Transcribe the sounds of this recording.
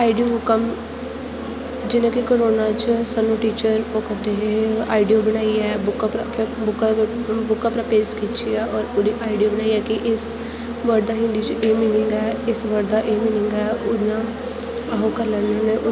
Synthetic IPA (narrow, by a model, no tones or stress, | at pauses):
aːiɖijoɦʊkəm | d͡ʒɪnẽːkikoːɾoːnaːt͡ʃsanũːʈiːt͡ʃəɾokəɾd̪eɦea̰ːiɖijoːbəɽaːiɛːbʊkapɾbʊkbʊkapɾapeːskiːt͡ʃʰiaːʔɔːɾʊdiʔaːiɖioːbənaːiɛːkɪʔɪs | ʋəɾd̪aːɦɪ̃nd̪iːt͡ʃeːmiːnɪŋɡɛːɪsʋəɾd̪aːʔeːmiːnɪŋɡɛːʊã | ɦokəɾlənəneʔʊ